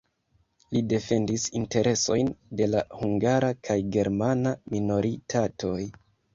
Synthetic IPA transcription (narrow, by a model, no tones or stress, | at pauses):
lide̞fe̞ndisinte̞ɾʔe̞so̞jnde̞lahuŋɡaɾakʰajɡe̞ɾmanamino̞ɾitʰatʰo̞j